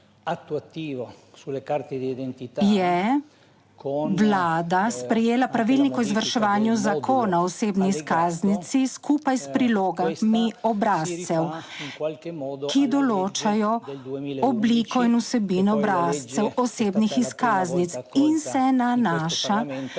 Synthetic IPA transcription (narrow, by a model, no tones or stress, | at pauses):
t̪t̪ː | njɛ | wlaːd̪aspɾɛjeːlapɾaʋilnikɔizʋəɾʃɛʋaːnjuzakʰoːnaɔɔseːbniːskaːznit̪siskʰupajspɾiloːɡamiɔbɾaːstt̪sɛw | kid̪ɔloːt͡ʃajɔ | ɔblikɔinusɛbinɔbɾast̪sɛwɔseːbnixiskaːznit̪sinsɛnanaːʃa